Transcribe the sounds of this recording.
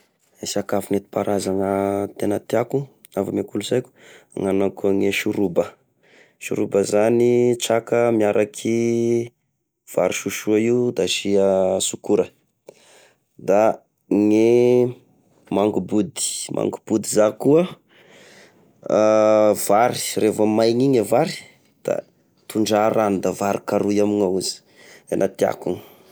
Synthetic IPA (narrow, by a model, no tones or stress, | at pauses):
esakafunet̪i̥paɾʔazaŋət̪enət̪iaku | avamakuluzajkʲu̥ | ŋanakuŋeʃuɾubə | ʃṵɾubəzanit͡sakəmiaɾʔakʰi | v̥a̰ɾiʃuʃuaiud̪aʃiəsukuɾə | d̪a | ŋe | maŋɡubud̪i̥mʔa̰ŋɡub̥ud̪izakuə | v̥aɾirefəmajɲiɲavaɾi̥ | d̪̥a̰ | t̪uɳɖ͡ʐaɾanud̪avaɾikaɾujamiŋauzi̥ | anat̪ia̰kuŋ